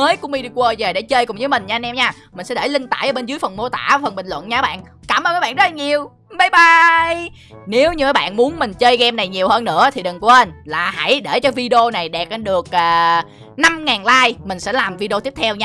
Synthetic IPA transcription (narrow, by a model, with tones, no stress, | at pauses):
əː˨˦jku˧mi˧ɗi˧kwəː˧˩jve˨˩ɗḛ˧˥t͡ɕəː˧jkʊ˨˩ŋ͡mzɨː˨˦jmï˨˩ŋ̟ɲaː˧nɛ˧mɲaː˧ | mï˨˩ŋ̟sɛ̰˧˥ɗe˧˩lï˧ŋ̟t̪a̰ː˧˩jʔəː˧˩ɓe˧nzɨ˨˦əjfə˨˩nmo˧t̪a̰ː˧˩˨fə˨˩nmɓï˨˩ŋ̟lwə̰˧˨nɲaː˧˦ɓa̰ː˧˨n | kaː˧˩mʔəː˧naː˧˦ɓa̰ː˧˨nzə˦˥lɲi˨˩əw | ɓa˧˩jɓa˧j | ne˨˦wɲɨ˧məː˨˦jɓa̰ː˧˨nmu˨˦ənmï˨˩ŋ̟t͡ɕəː˧jɣɛ˧mna˨˩jɲi˨˩əwhəː˧nːɨ̰˧˥ət̪ʰi˨˩ɗɨ˨˩ŋkʔe˧nlaː˨˩ha̰˧˩jɗe˧˩t͡ɕɔ˧vi˧ɗi˧o˧na˨˩jɗɛ˨˩p̚ʔə˧ɗɨ˨˩ək̚ʔaː˨˩ | na˧mŋaː˨˩nlaː˧jmï˨˩ŋ̟sɛ̰˧˥laː˨˩mvi˧ɗi˧o˧t̪i˦˥əp̚t̪ʰɛ˧wɲaː˧